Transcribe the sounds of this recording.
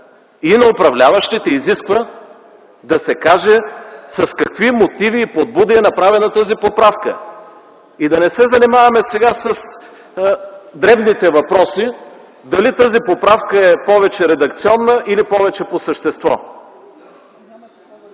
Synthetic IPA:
inɐopɾɐvlʲavɐʃt̪it̪ɛiziskvə | d̪ɐsɛkaʒɛsɐskɐkvimot̪iviːpod̪̚bud̪iɛnɐpɾavɛnət̪azipopɾafkə̰ | id̪ɐnɛsɛzɐnimavɐmɛsɛɡasəs | d̪ɾɛvnit̪ɛvɐpɾɔsi | d̪ɐlit̪azipopɾafkəɛpɔvɛt͡ʃɛɾɛd̪ɐk̚t̪siɔnːəʔilipɔvɛt͡ʃɛposəʃt̪ɛst̪vɔ̰

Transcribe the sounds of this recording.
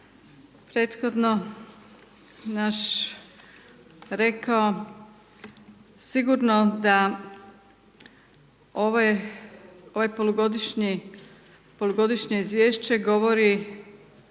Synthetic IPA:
pɾeːt̪xod̪no̞ | naʃ | ɾekao | siɡuɾnod̪a | oʋ | o̞ʋajpo̞lˠuɡo̞d̪iʃɲi | po̞lˠuɡo̞d̪iʃɲe̞izʋje̞ːʃt͡ɕe̞ɡo̞ʋoɾi

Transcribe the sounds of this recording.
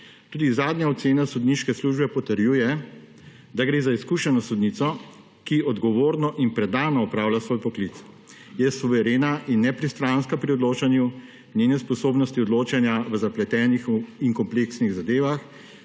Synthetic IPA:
t̪uːd̪izaːd̪njaɔt̪seːnasud̪niʃkɛsluːʒbɛpɔt̪əɾjuːjɛ | d̪aɡɾeːzaiskuʃɛnɔsud̪nit̪sɔ | kiɔd̪ɡɔʋoːɾnɔʔinpɾɛd̪aːnɔːɔpɾaːwlʲjasʋoːjpɔklit̪s | jɛsuʋɛɾeːnaʔinːɛpɾist̪ɾanskapɾiɔd̪loːt͡ʃanju | nʲjeːnɛspɔsoːbnɔst̪iɔd̪loːt͡ʃanjaʋəzaplɛt̪ɛːnixiŋkɔmpleksniɣzad̪eːʋax

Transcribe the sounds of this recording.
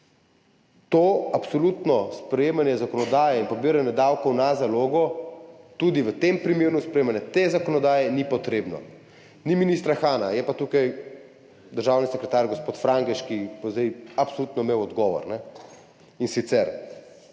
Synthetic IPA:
t̪oapsɔlut̪nɔspɾɛjeːmanjɛzakɔnɔd̪aːjɛinpɔbiɾanjɛd̪awkɔwnazaloːɡɔt̪ud̪iʋət̪empɾimeːɾnuspɾɛemanjɛt̪ezakɔnɔd̪aːjɛnipɔt̪ɾeːbnɔ̰ | niminist̪ɾaxaːnajɛpat̪ukaj | d̪əɾʒaːwnisɛkɾɛt̪aɾɡɔspoːt̪fɾaŋkɛʃkipɔzd̪ɛjapsoluːt̪nɔimeːwɔd̪ɡɔːʋɔ̰ɾnɛ | insit̪sɛɾ

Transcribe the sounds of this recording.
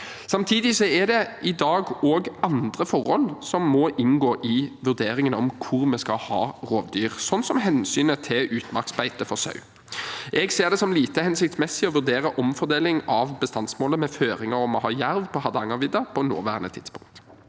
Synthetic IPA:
sɑmt̪ʰiːd̪ɪsɔæʁd̪ɛʔɪd̪ɑːɡoːɡʔɑnd̪ʁəfɔʁhɔlsɔmːɔʔɪnɡoːʔɪʋʉʁd̪eːɾɪŋənɔmkʰʊʁmɛskɑhɑ̰ːʁoːʋd̪yːʁsɔnsɔmɦɛnsyːnət̪ʰɪlʉːt̪mɑ̰ksbæɪt̪əfɔʁsɑ̰ʉ | ʔɛɡseːʁd̪ɛsɔmliːt̪əhɛnsɪk̚t̪smɛsːɪɔʋʉʁd̪eːɾəʔɔmfɔʁd̪eːlɪŋɑʋbəst̪ɑnsmoːləmɛføːɾɪŋɑɾɔmɔɦɑːjæɾʋpʰɔhɑd̪ɑŋɑʋɪd̪ɑpʰɔno̰ːʋæ̰ːʁənət̪ʰɪd̪spʰʊ̰ŋktt̪

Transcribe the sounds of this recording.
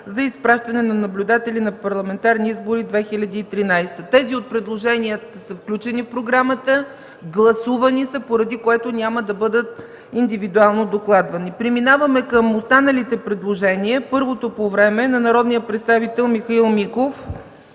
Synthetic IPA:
zɐispɾaʃt̪ɐnɛnɐnɐblʲʊd̪at̪ɛlʲinɐpɐɾlˠɐmɛnt̪aɾniizboɾid̪vɛxilʲɐd̪iːt̪ɾinajst̪ət̪ɛziot̪̚pɾɛd̪lˠoʒɛniət̪əsəfklʲut͡ʃɛnifpɾoɡɾamət̪ə | ɡlˠɐsuvənisəpoɾɐd̪ikoɛt̪onʲaməd̪ɐbɤd̪ət̪̚ | ind̪ivid̪ualˠnod̪oklˠad̪vɐnipɾiminavəmɛkəmost̪anəlit̪ɛpɾɛd̪lˠoʒɛniəpɤɾvot̪opovɾɛmɛnɐnɐɾɔd̪nijəpɾɛt̪st̪avit̪ɛlˠmixɐilˠmikof

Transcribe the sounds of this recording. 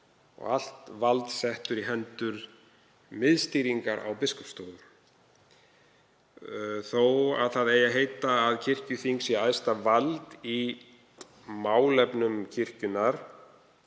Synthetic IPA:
ɔ̰ɣa̰l̥t̪valt̪sɛht̪ʏɾiɦɛnt̪ʏɾ̥ | mɪðst̪iɾiŋkaɾa̰wpɪskɔpst̪oːwðʏɾ̥ | θowa̰ðθaðɛjaɦeːjt̪aːðcʰɪr̥cʏθiŋksjɛaːjst̪avalt̪i | maːwlɛpnʏmcʰɪr̥cʏnaɾ̥

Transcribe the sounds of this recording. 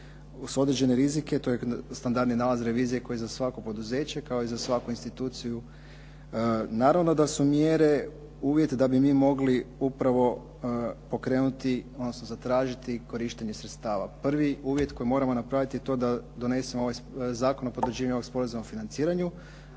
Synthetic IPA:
suo̞d̪ɾed͡ʑe̞neɾizike̞t̪ojest̪and̪aɾd̪ninaːlˠazɾe̞ʋiːzije̞ko̞jizasʋako̞po̞d̪uze̞ːt͡ɕekao̞izasʋakuinst̪it̪uːt̪siju | naːɾaʋno̞d̪asumjeɾe̞ | uːʋje̞t̪d̪abimiːmo̞ɡliupɾaʋo̞ | po̞kɾe̞ːnut̪iod̪no̞sno̞zat̪ɾaːʒit̪iko̞ɾiʃt̪eɲe̞sɾet̪st̪aːʋa̰pr̩ʋiuːʋje̞t̪ko̞jimo̞ɾamo̞napɾaʋit̪jet̪o̞d̪ad̪o̞ne̞semoo̞ʋajzaːkonopod̪rʒiːʋaɲo̞oɡspo̞ɾazumaofinant̪siːɾaɲu

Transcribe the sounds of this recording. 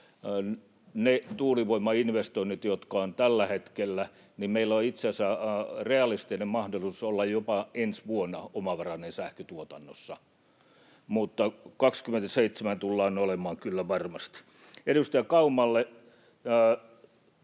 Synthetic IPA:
net̪uːliʋoimːɑinʋest̪oinːit̪jot̪kɑont̪ælːæhet̪kelːæ | nimeilːoit̪seæsæreɑlist̪inemmɑhdolusolːɑjjopɑensʋuonːɑomɑʋɑrɑnensæhkøt̪uot̪ɑnːosːɑ | mut̪ːɑkɑkskyment̪æseit̪semænt̪ulːɑːnolemɑːŋkylːæʋɑrmɑst̪i̥ | edust̪iɑkɑumˑɑlːe

